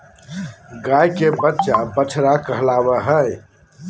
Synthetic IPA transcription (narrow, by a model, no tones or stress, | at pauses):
ɡaːjkebət̪ːʃabət͡ʃʰɾakəɦlaːweɦə